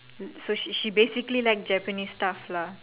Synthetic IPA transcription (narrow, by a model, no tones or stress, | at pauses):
soʃibesiklilajk̚d͡ʒɛpənisʈafla